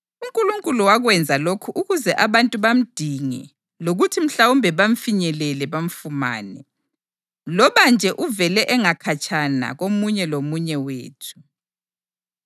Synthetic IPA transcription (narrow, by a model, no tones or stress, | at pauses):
uŋkʼuluŋkʼuluwaɣwɛnd͡zʱalokʰuʔuɣuzɛʔaβantʼuβam̩d̥ʱiŋɛ̰ | loɣutʰim̩ɬawumbʱɛβam̩fiɲɛlɛlɛβaɱ̩fuma̰ːnɛ | lɔβand͡ʒʱɛʔuvɛlɛʔɛŋakʰat͡ʃʼana̰ɣomuɲɛlomuɲɛwḛːtʰu̥